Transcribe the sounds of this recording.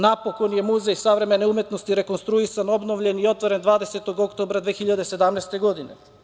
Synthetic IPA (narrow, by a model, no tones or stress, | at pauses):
napoko̞nje̞muzejsaʋɾe̞me̞neumet̪no̞st̪iɾe̞ko̞nst̪ɾuisano̞bnoʋʎenio̞t̪ʋoɾend̪ʋaːd̪eset̪oɡo̞kt̪oːbɾad̪ʋexiʎad̪ese̞d̪amnɛjst̪e̞ɡo̞d̪ine